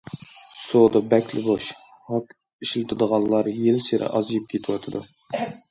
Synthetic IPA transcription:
sod̪ɑbɛkʲlɪboʃ | hɑk | iʃlt̪ʰɨd̪əʁɑlˠːɑɾjelseɾʔɪ̰ʔɑzjip̚kʲʰet̪ʰɪwɑt̪ʰɨd̪u

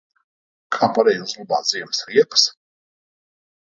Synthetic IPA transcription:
kʼʰapʼaɾɛjzluba̰ːziɛmsɾiɛpʼs

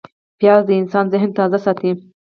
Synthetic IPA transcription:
pjɑzd̪əɪnsɑnzɪɦnt̪ɑzasɑt̪i

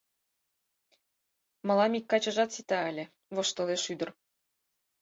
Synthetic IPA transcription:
mɤ̆lˠɑmikːɑt͡ɕɤ̆ʒɑt̪sit̪ɑɘlʲɘ̆ | βɤ̆ʃt̪ɤ̆leʃyd̪ɤ̆r

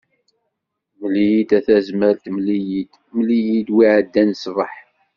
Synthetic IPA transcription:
məlijit̪æθæzməɾt̪məlijit̪ | mlijid̪wiʕəd̪ːænsvəħ

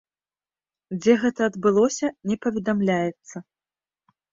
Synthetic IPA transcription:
d͡zʲɛɣɛt̪ɐːd̪bɨlˠɔsʲɐnʲɛpɐvʲɛd̪amlʲajɛt̪sːɐ

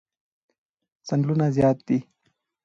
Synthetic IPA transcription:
sɐnlunazjaːt̪̚d̪i

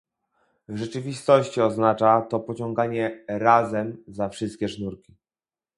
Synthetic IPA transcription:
ʐɛt͡ʂɘvʲist̪ɔɕt͡ɕiɔznat͡ʂat̪ɔpɔt͡ɕɔŋɡaɲɛɾazɛmzafʂɘst̪̚kʲɛʂnuɾkʲi

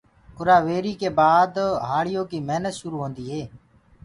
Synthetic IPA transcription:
ʊɾaːʋeːɾiːkeːbaːd̪ɦaːɭɪjõːkiːmeɦnət̪ʃʊɾuːɦõːnd̪iːɦeː

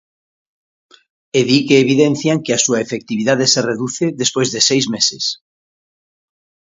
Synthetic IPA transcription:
eðikeːβ̞iðenθjaŋkeasuaefek̚t̪iβiðaðesereðuθeðespojzðesejzmeses

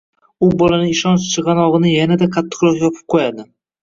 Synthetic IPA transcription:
ʊbɒlanɪɪʃɒnt͡ʃt͡ʃʰɨʁɑnɒʁɨnɪjanad̪aqʰat̪ʰːɪ̥qɾɒqjɒpʰɨ̥p̚qʰojad̪ɪ

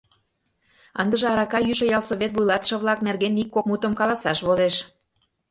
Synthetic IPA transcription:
ɑ̰nd̪ə̆ʒɤ̆ɑɾɑkɑjyʃə̆jɑlsoβʲet̪vujlˠɑt̪ə̥ʃɤ̆βlˠɑknerɣenikːok̚mut̪ə̆mkɑlˠɑsɑʃβozeʃ

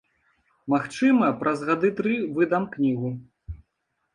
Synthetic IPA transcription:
maxt͡ʂɨmɐpɾɐzɣad̪ɨt̪ɾɨvɨd̪amknʲiɣu

